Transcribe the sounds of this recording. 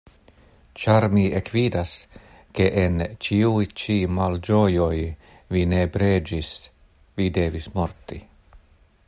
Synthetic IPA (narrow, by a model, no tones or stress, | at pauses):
t͡ʃaɾmiekvidas | ke̞ʔent͡ʃiujt͡ʃimald͡ʒo̞jo̞j | vine̞bɾed͡ʒis | vide̞vismo̞ɾt̪i